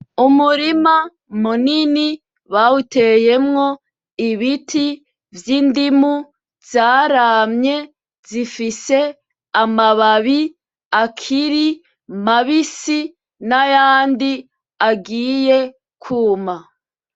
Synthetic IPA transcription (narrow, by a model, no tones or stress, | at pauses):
umuɾima | munini | βauteje̞mŋo̞ | iβitʰi | vjindimu | z̥aːɾamɲe̞ | zifise̞ | amaβaβi | akʰiɾi | maβisi | najaːndi | aɡiːje | kʰuːma